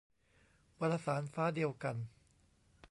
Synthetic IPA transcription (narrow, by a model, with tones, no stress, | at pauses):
pa˧ɾa˧saː˩˦nfaː˦˥di˧əwka˧n